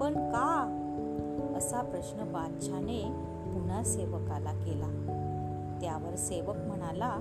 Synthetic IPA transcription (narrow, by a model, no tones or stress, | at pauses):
pəɳka | əsapɾəɕnəbad̪ɕʰane | pun̤aseʋəkalakela | t̪jaʋəɾseʋəkm̤əɽ̃ala